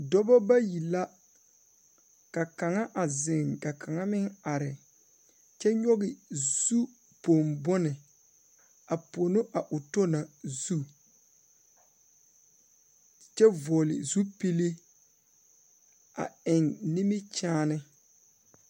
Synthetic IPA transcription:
dɔ˦bɔ˦ba˦ji˨la˦ | ka˨ka˨ŋa˦ʔa˨zɪ˨ŋɡa˨kʰa˨ŋa˦mɪ˦ŋa˨ɾɪ˨ | t͡ʃɛ˦ɲɔ˦ɣɪ˨z̥u˦ | po˨mbɔ˦nɪ˨ | a˨po˨no˦ʔa˨ʔʊ˨to˦na˨zu˦ | t͡ʃɛ˦vɔ˨lɪ̰˨zu˦pi˦li˦ | a̰˨ɪ˨ŋni˦mi˦t͡ʃaː˦nɪ˦

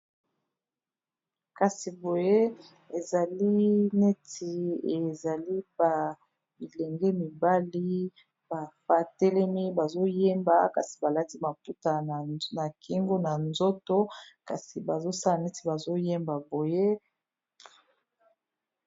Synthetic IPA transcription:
ka˨si˨bo˨je˦ | e˨za˨li˦ne˦ti˨e˨za˨li˦ba˨ | bi˨lɛ˨ŋɡɛ˦mi˨ba˦li˦ | ba˨fa˦tɛ˦lɛ˦mi˦ba˨zo˦je˦mba˨ka̰˨si̥˨ba˨la˦ti˦ma˨pu˦ta˨na˨kʰi˦ŋɡo˦na˨nzo˦to˦ka̰˨si˨ba˨zo˦sa˦la˨ne˦ti˨ba˨zo˦je˦mba˨bo˨je˦

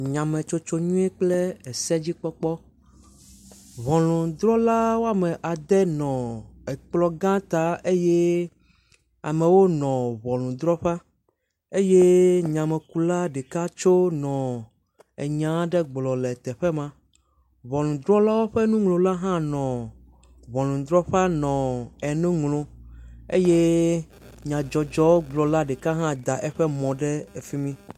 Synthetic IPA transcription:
ɲã˨mɛ̃˨t͡ʃo˦t͡ʃo˦ɲũ˦ɛ˦k͡ple˦ɛ˨sɛ˦d͡ʑi˦k͡pɔ˦k͡pɔ˦ | βɔ̃˨lũ˨d̪ɾɔ˦la˦wo˦a˦mɛ̃˨ʔa˨d̪ɛ˦nɔ̃˨ɛ˨k͡plɔ˦ɡã˦t̪a˨ʔe˦je˦ | a̰˨mɛ̃˨wo˦nɔ̃˨βɔ̃˨lũ˨d̪ɾɔ˦ɸa˦ | e˦je˦ɲã˨mɛ˨ku˨la˦ɖe˨ka˦t͡ʃo˦nɔ̃˨ | ɛ˨ɲã˨˦ɖɛ˦ɡ͡blɔ˨lɛ˨t̪ɛ˨ɸɛ˦mã˦ | βɔ˨lũ˨d̪ɾɔ˦la˦wo˦ɸɛ˦nũ˦ŋlõ˨la˦ɦã˦nɔ̃˨ | βɔ̃˨lũ˨d̪ɾɔ˦ɸa˦nɔ̃˨ɛ˨nũ˦ŋlõ˨e˦je˦ | ɲã˨d͡ʒɔ˨d͡ʒɔ˦wo˦ɡ͡blɔ˨la˦ɖe˨ka˦ɦã˦d̪a˨ʔɛ˦ɸɛ˦mɔ̃˨ɖɛ˦ɛ˨fi˦mĩ˦

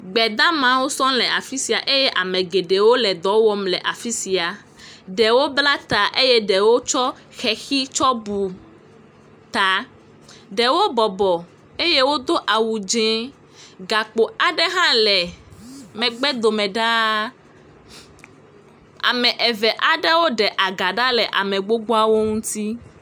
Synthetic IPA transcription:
ɡ͡bɛ˨d̪ã˦mã˨wo˦sɔ̃˦lɛ˨a˨fi˦si˨a˨ʔe˦jɛ˦ʔa˨mɛ̃˨ɡe˨ɖe˨wo˦lɛ˨d̪ɔ˨˦wɔ˦mlɛ˨ʔa˨fi˦si˨a˨ | ɖɛ˨wo˦bla˦t̪a˨ʔe˦jɛ˦ɖɛ˨wo˦t͡ʃɔ˦ | xɛ˨xi˦t͡ʃɔ˦bu˨ | t̪a˨ | ɖɛ˨wo˦bɔ˨bɔ˨ | e˦je˦wo˦d̪o˦ʔa˨wu˨d͡ʒɛ̃˦ | ɡa˨k͡po˨a˨ɖɛ˦ɦã˦lɛ˨ | mɛ̃˨ɡ͡bɛ˦d̪o˨mɛ̃˨ɖa˦ | a̰˨mɛ̃˨ʔɛ˨vɛ˨ʔa˨ɖɛ˦wo˦ɖɛ˨ʔa˨ɡa˨ɖa˦lɛ˨ʔa̰˨mɛ̃˨ɡ͡bo˦ɡ͡bo˦a˦wo˦ŋũ˦t̪i˦

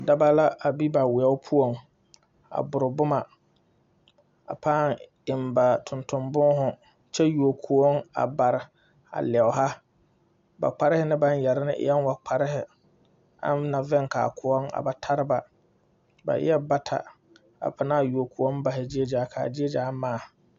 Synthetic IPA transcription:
da˦ba˦la˦a˨bi˦ba˨wɪ˨a˦ʊ˦pʰu˦o˨ŋ | a̰˨bʊ˨ɾɪ˨bʊ˦ma˨ | a̰˨paː˦˨ŋ | ɪ˨mba˨tʰʊ˨ntʊ˨mbʊ˦ɦʊ˨ | t͡ʃɛ˦ju˨o˨kʰu˨o˦ŋa̰˨ba˨ɾɪ˨ | a̰˨lɛ˨ʊ˨ɦa˦ | ba̰˨k͡pa˦ɾɪ˦hɪ˦nɪ˦ba˦n˦jɛ˨ɾɪ˦nɪ˦ʔɪ̰˦jɛ˦n˦wa˨k͡pʰa˦ɾɪ˦hɪ˨ | a̰˦nna˨vɛ˦ŋka̰˨kʰʊ˨ɔ˦ŋa̰˨ba˨tʰa˦ɾɪ˦ba˨ | ba̰˨ʔɪ̰˦jɛ˦ba˦tʰa̰˨ | a̰˨pʰa˨naː˦˨ju˨o˨ku˨o˦m˦ba˨ɦɪ˨d͡ʒi˦e˦d͡ʒaː˨˦kʰa̰ː˨d͡ʒi˦e˦d͡ʒaː˦maː˦˨

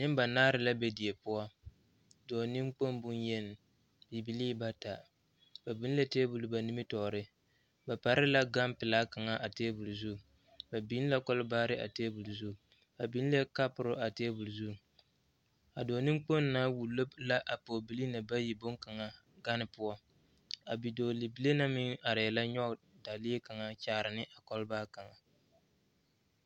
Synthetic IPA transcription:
nɪ˦m˦ba˨naː˦ɾɪ˨la˦be˦di˨e˨pʊ˦ɔ˦ | dɔː˨nɪ˦mk͡po˦nbʊ˦njɛ˦n˨ | bi˨bi˨liː˦ba˦ta˨ | b̥a˨bi˦n˦le˦teː˦bu˨lʊ˨ba˨ni˦mi˦tɔ˨ɾɪ˦ | ba˨pa˨ɾɪ˦la˦ɡa˦mpɪ˨la˦ka˨ŋa˦ʔa˨teː˦bu˨lzu˦˨ | ba˨bi˦n˦la˦kɔ˦lbaː˦ɾɪ˦ʔa̰˨teː˦bu˨lzu˦˨ | ba˨bi˨˦n˦le˦ka˦pʊ˨ɾʊ˦ʔa˨teː˦bu˨lzu˦˨ | a˨doː˨nɨ˦mk͡po˦nː˦aː˦wu˨lo˦bla˦ʔa˨po˨bi˨li˦na˨ba˦ji˨bʊ˦ŋka˨ŋa˦ | ɡa˦nɪ˦pʊ˦ɔ˦ | a˨bi˨doː˨li˨bi˨le˦na˦mɪ˦ŋa˨ɾɪ˨jɛ˨la˦ɲɔ˦˨ | da˨lɪ˦ka˨ŋa˦t͡ʃaː˨˦˨ɾɪ˨nɪ˦ʔa˨kɔ˦lbaː˦ka˨ŋa˨

